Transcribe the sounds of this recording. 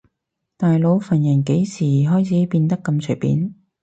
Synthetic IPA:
t̪aː˨jlo˨˥wfɐ˨˩njɐ˨˩nke˨˥jsiː˨˩ɦɔː˥jt͡sʰiː˨˥piː˧nt̪ɐ˥kːɐ˧mt͡sʰɵ˨˩jpḭː˨˥n

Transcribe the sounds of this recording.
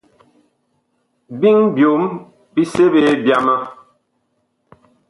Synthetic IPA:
bi˦ŋbjo˨˦m | bi˦se˦be˨˦bja˦ma˦

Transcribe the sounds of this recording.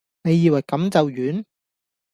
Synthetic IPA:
ne˨˧jːiː˨˧wɐ˨˩jkɐ˨˥mt͡sɐ˨wjyː˨˥n

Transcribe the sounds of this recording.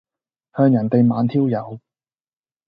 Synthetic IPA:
hœː˧ŋjɐ˨˩nt̪e˨jmaː˨˧˥nt̪ʰiː˥wjɐ˨˧w

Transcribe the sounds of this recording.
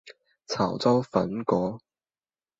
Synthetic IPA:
t͡sʰaː˨˩wt͡sɐ˥wfɐ̰˨˥nkɔː˨˥

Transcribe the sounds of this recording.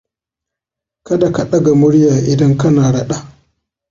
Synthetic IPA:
kɐ˦da˨ka˨ɗɐ˦ɡa˨mʊ˦ɽjaː˨ʔɪ˨dɐ˦ŋkɐ˦naː˨ɽɐ˦ɗa˦

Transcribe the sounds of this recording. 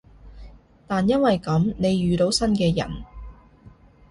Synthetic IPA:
t̪aː˨njɐ˥nwɐ˨jkɐ˨˥mne˨˧jːyː˨t̪o˨˥wsɐ˥nkɛː˧jɐ̰˨˩n

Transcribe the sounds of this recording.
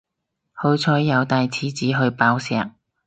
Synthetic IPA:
ho˨˧wt͡sʰɔː˨˥jːɐ˨˧wt̪aː˧jt͡sʰiː˨˥t͡siː˨˥ɦɵ˧ɥpaː˨˧˥wsɛ̰ː˨˥k̚

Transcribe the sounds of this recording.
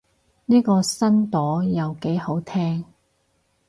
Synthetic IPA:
niː˥kɔː˧sɐ˥nt̪ɔː˨˥jɐ˨wke˨˥jho˨˥wt̪ʰɛː˥ŋ

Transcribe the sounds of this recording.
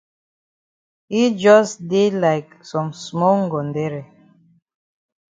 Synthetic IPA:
hi˦d͡ʒɔ˦sde˦la˨ɪksɔ̃˨msmɔ˦ŋɡɔ̃˨ndɛ˦ɹi˨

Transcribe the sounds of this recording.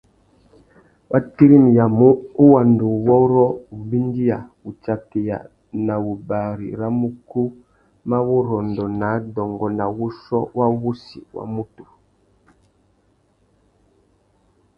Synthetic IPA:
wʔa˦ti˦ɾi˦mja˨mo˦wa˨ndo˨wɔ˦ɾɔ˦u˨mbi˦n˦di˦a˨ | u˨t͡ʃa˨te˨ja̰˨ | na˨wu˨ba˨ɾḭ˨ɾa˦mu˦ku˦ | ma˦wu˦ɾɔ˨ndɔ˨na˨˦dɔ˨ŋɡɔ˨na˨wu˦sɔ˦wa˦wu˦sḭ˨wa̰˦mu˦tu˨

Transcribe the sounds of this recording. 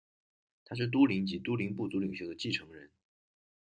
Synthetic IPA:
t̪ʰa˥ʂ̬ɻ̩˥˩t̪̬u˥li˧˥ŋt͡ɕi˧˥t̪u˥li˧˥ŋpu˥˩t͡su˧˥li˨˩ŋɕjo˥ʊd̪ə˧t͡ɕi˥˩ʈ͡ʂʰɤ˧˥ŋɻə˧˥n

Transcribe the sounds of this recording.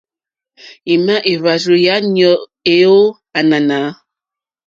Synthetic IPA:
i˨ma˦ʔe˨βa˨zu˨ja˨˦ɲɔ˨ʔ | e˦o˦ | a˨na˨na˨˦

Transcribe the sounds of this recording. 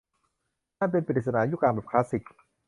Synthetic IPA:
naː˥˩np̬e˧npɾi˨˩t̪̚sa˧naː˩˦juː˦˥˩klaː˧˩ŋbɛː˨˩kʰlaː˦˥si˨˩k̚

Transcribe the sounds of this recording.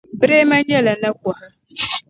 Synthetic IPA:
bɾe˦ma˦ɲɛ˦la˨nə˦kwa˨

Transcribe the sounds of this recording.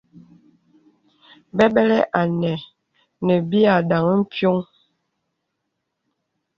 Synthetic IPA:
bɛ˦bɛ˦lɛ˦ʔa˨nɛ˨ | nɛ˨bi˦a˨da˨ŋə˦m̩˦pjo˦ŋ

